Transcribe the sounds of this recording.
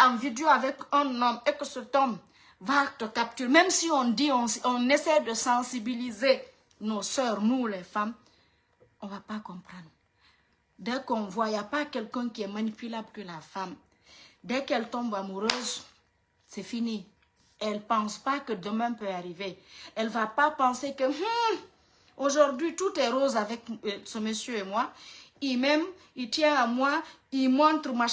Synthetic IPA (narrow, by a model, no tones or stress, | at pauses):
ɑ̃vid̪eoavɛkɛ̃nɔmekəsət̪ɔ̃b | vat̪əkap̚t̪yɾemɛ̃msiɔ̃d̪iɔ̃sɔ̃nesɛjd̪əsɑ̃sibilize | nosœːɾnulɛfam | ɔ̃vapakɔ̃pʁɑ̃d̪ʁ | d̪ɛkɔ̃vwaijapakɛlkɛ̃kiɛmanipylablkəlafam | dɛkɛltɔ̃mbamuɾøz | sɛfini | ɛlpɑ̃spakədəmɛ̃pøaɾiveɛlvapapɑ̃sekəh̩ | oʒɔɾdɥitutɛɾozavɛksəməsjøemwaimɛ̃m | it̪jɛ̃amwaimɔ̃t̪ɾma